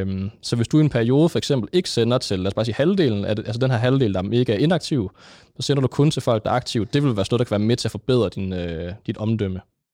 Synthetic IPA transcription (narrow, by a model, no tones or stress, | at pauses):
msɒ̽ʋe̝sd̥uienpʰæɐio̝ːð̞ˠəfɒ̽eɡ̥sem̰b̥l̩e̝ɡ̥ə̥senɐt͡sʰe̝læːɐsb̥ɑ̈ːsiːhæld̥e̝̰ːln̩æʔælsəd̥enɦæɐɦæld̥e̝̰ːln̩d̥ɑme̝ɡ̥əæɐe̝nɑ̈ɡ̥̚t͡sʰiʊ | sɒ̽sen̰ɐɾ̥ukʰɔ̽nt͡sʰe̝lfɒ̽l̰ɡ̥d̥ɑ̈ɑ̈ɡ̥̚t͡sʰiʊ̥d̥e̝ʋe̝lʋæɐsnɔðˠdɑkʰæʋæːɐmet͡sʰe̝æfɒ̽b̥e̝ð̞̰ˠʁɐd̥inød̥id̥ɒ̽md̥øm̰ə